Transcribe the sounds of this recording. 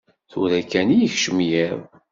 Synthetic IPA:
θʊɾækːænijəçʃəmjiɾˤ

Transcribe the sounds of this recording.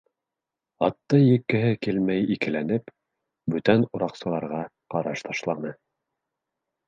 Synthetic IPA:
ɑt̪ːɤjɘ̆kːɘ̆ɦɘkilmæjikɘ̆lænɘp | bɵt̪ænuɾɑqsɤ̆lˠɑɾʁɑ | qɑɾɑʃt̪ɑʃlˠɑnɤ

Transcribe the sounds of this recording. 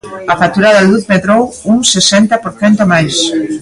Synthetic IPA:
ɐfat̪uɾaðaluðmet̪ɾowuŋsesɛnt̪ɐpoɾθɛnt̪omajs

